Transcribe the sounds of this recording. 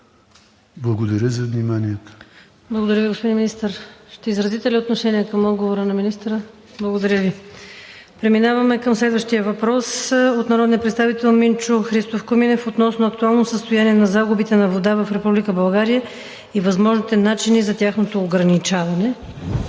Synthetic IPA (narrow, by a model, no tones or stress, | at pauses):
blˠɐɡod̪ɐɾʲəzɐvnimaniət̪ə̥ | blˠɐɡod̪ɐɾjəviɡospod̪inminist̪əɾʃt̪ɛizɾɐzit̪ɛliot̪noʃɛniəkɐmɔd̪ɡovoɾənɐminist̪ɾə | blˠɐɡod̪ɐɾʲjəvi | pɾɛminavɐmɛkəmslɛd̪vəʃt̪ijəvɐpɾɔsot̪nɐɾɔd̪niəpɾɛt̪st̪avit̪ɛlˠmint͡ʃoxɾist̪ofkominɛfot̪nɔsnoɐkt̪ualˠnosəst̪ojaniɛnɐzaɡʊbit̪ɛnɐvod̪avɐfɾɛpublikəbɐlˠɡaɾijə | ivɐzmɔʒnit̪ɛnat͡ʃinizɐt̪ʲaxnot̪oːɡɾɐnit͡ʃavɐnɛ